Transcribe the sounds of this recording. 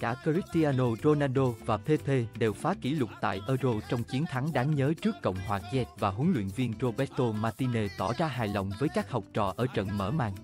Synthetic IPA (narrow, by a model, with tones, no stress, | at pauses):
kaː˧˩kə˧zi˦˥k̚t̪i˧aː˧no˧zo˧naː˧nɗo˧vaː˨˩pʰe˧t̪ʰe˧ɗe˨˩wfaː˨˦ki˧˩lʊ˨˩k͡p̚t̪a̰ː˧˨jʔəː˧zo˧t͡ɕɔ˧wŋ͡mt͡ɕi˨˦ənt̪ʰa˨˦ŋɗaː˨˦ŋɲəː˨˦t͡ɕɨ˦˥əkːə̰˧˨wŋ͡mhwaː˨˩zɛ˦˥t̚vaː˨˩ɦu˨˦ŋlwḭ˧˨ənvi˧ənzo˧ɓɛ˦˥t̚t̪o˧maː˧t̪i˧ne˧t̪ɔ˧˩zaː˧ɦaː˨˩jlə̰˧˨wŋ͡mvəː˨˦jkaː˦˥k̚hɔ˨˩wk͡p̚t͡ɕɔ̰˧˨ʔəː˧˩t͡ɕə̰˧˨nməː˧˩maː˧˩ŋ